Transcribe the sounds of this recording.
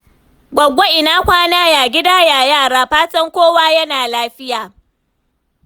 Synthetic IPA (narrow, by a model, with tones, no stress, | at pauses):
ɡʷɐ˨ɡʷo˦ʔɪ˨naː˦kʷaː˦naː˦jaː˨ɡʲɪ˦daː˦jaː˨jaː˦˨ɽaː˦ɸaː˦tɐ˦ŋkʷoː˦waː˦jɐ˦naː˨laː˦ɸɪ˦jaː˨